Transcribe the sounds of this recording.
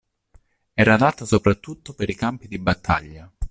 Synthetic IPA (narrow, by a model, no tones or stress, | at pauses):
ɛːɾad̪at̪asopɾat̪ːut̪ːopeɾikampid̪ibat̪ʰːa̰ʎːa